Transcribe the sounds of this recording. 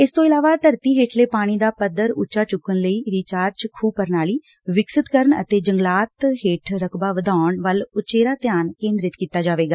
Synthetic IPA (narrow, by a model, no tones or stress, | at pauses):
ɪst̪õːɪlaːʋaːt̪əɾt̪iːɦeːʈʰleːpaːɽ̃iːd̪aːpəd̪ːəɾʊt͡ʃːaːt͡ʃʊkːənləiːɾiːt͡ʃaːɾt͡ʃkʰuːpəɾnaːliː | ʋɪksɪt̪kəɾɳə̰t̪eːd͡ʒəŋɡlaːt̪ɦeːʈʰɾəkʰbaːʋəd̪aːʊəɳʋəlʊt͡ʃeːɾaːt̪ɪjaːnkẽːnd̪ɾɪt̪kiːt̪aːd͡ʒaːʋeːɡaː